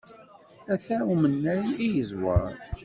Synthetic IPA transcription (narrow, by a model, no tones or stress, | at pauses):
æθæwmənːæjijəzwə̰ɾˤ